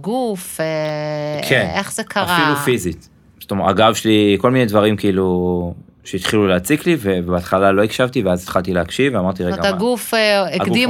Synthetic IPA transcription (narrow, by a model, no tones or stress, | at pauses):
ɡufekʰeneχz̥ekʰaaʁfailufizit | st̪omea̰ɡavʃliko̞lminedvaʁimkiilu | ʃeit̪χiluleat͡siklivevbeat̪χalaloikʃavt̪iveazit̪χalt̪ileakʃiveamaʁt̬iʁeaɡufeeɡkd̪i